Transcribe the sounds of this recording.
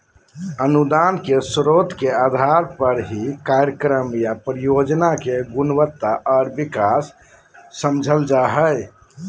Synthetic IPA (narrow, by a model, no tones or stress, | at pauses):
ənud̪ankesɾot̪kead̪ʱaɾpəɾɦikaɾjəkɾəmjapɾijod͡ʒnakeɡunʋət̪ːaʔɔɾbikasː | əmd͡ʒʱəld͡ʒaɦəj